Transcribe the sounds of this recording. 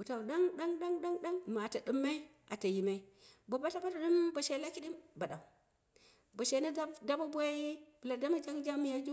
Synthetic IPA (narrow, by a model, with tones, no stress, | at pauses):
wu˨ta˨u˨ɗa˦ŋɗa˦ŋɗa˦ŋɗa˦ŋɗa˦ŋma˨ta˨ɗɨ˦mːa˦i˦ | a˨ta˨ji˨ma˦i˦bo˨ba˦ta˦ba˦ta˨ɗu˦mbo˨ʃe˨˦la˦ki˦ɗi˦mba˨ɗa˨u˨ | bo˨ʃe˨˦na˦a˦da˦ba˦bʷa˦bu˨la˨da˦ma˦d͡ʒa˦ŋd͡ʒa˦mi˦ja˦d͡ʒu˦